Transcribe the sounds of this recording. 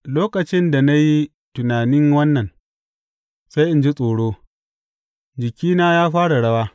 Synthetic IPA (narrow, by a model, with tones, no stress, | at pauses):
loː˦kɐ˨t͡ʃɪ˦nda˨na˦ji˦ | tʊ˨naː˨nɪ˦ŋwɐ˦nːɐ˨n | sa˦jʔɪ˨nd͡ʒɪ˦sʼoː˨ɽoː˦ | d͡ʒɪ˨kʲiː˦naː˦jaː˦ɸaː˦ɽa˨ɽɐ˦waː˦